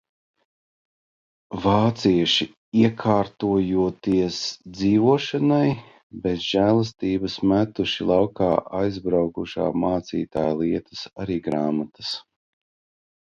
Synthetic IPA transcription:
vaːt̪siɛʃi | iɛkʰaːɾt̪uɔjuɔt̪iɛsd̪ziːvuɔʃanaj | bezʒælˠas̬t̪iːbɐsmæt̪uʃilˠɑwkaːʔajzbɾawkuʃa̰ːmaːt̪sḭːt̪aːjlˠiɛt̪ə̥saɾiːɡɾaːmat̪ə̥s

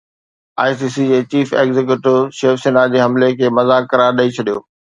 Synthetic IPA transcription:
a̰ːisiːsid͡ʑeːt͡ɕiːfḛːɡzek̬juʈɪʋʃeːfseːnad͡ʑeːɦɐmlekʰeːmɐzaːkːɐɾaːɾɗɐit͡ɕʰɐɗijo̰ː

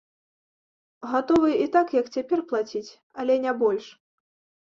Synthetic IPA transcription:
ɣat̪ɔvɨit̪akjɐkt͡sʲapʲɛrplˠat͡sʲit͡sʲ | ɐlʲɛnʲabɔlʲʂ

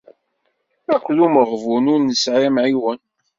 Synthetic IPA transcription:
ækʷːðuməʁvunʊɾnəsʕimʕiwən

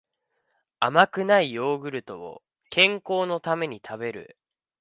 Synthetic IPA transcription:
amakɯ̟naio̞ːɡɯ̟ɾɯ̟t̪o̞o̰ | kʰẽ̞ŋko̞ːno̞t̪ame̞ɲ̟it̪ʰabe̞ɾɯ̟̰

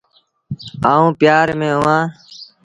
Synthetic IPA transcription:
aːũːpɪjaːɾmẽːɦʊʋãː

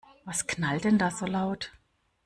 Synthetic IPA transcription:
vasknaldɛndaːzoːlaʊt

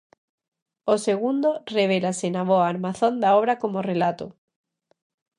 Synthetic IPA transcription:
oseɣund̪oreβ̞elasenaβoaːɾmaθond̪aoβɾakomorelat̪o

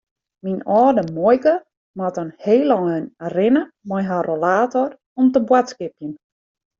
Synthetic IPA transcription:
minɔːdəmɔjkə | matənheːlɔnərɪnə | mɔjɦarolaːtɔr | ɔmtəbwatskɪpjən

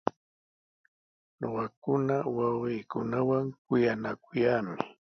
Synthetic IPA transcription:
noɢɑkʊnawawɢejkʊnawaŋkʊjanakʊjaːmɪ

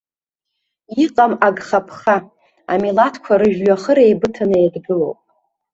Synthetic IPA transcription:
iqʼamaɡχapʰχa | a̰milatʰkʷʰaɾɨʒᶣɥaχəɾejbɨtʰanɨedɡɨlo̰wpʼ

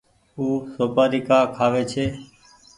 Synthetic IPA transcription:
uːsoːpaːɾiːkaːkʰaːʋeːt͡ʃʰeː

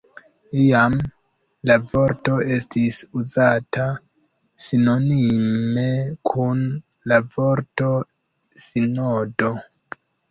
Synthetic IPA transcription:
iam | lavo̞ɾto̞e̞stisuzatʰa | sino̞nimmme̞kʰun | lavo̞ɾto̞ | sinodo

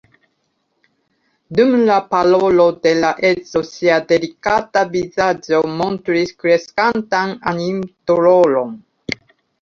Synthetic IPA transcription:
dumlapalolo̞de̞laʔet͡so̞siade̞likatavizad͡ʒo̞mo̞ntɾiskɾe̞skantananimtuɾolo̞n

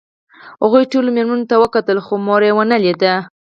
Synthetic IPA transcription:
haɣujʈolomeɾmanot̪awəkat̪əlxomoɾewənaled̪a

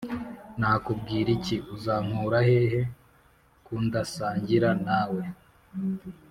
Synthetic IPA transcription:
naːkub̚ɡiːɾiciʔuzaːŋ̥huːɾahe̞ɦe̞ | kundasaːɲɟiɾanawe̞

